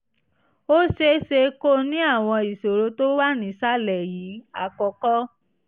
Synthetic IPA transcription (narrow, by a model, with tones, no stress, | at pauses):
o˦ʃe˧ʃe˧ko˦nĩ˦a˦˨w̃ɔ̃˧i˨so˨ɾo˨˦to˦wa˦nĩ˧˦sa˦lɛ˨ji˨˦a˧˨kɔ˧kɔ˦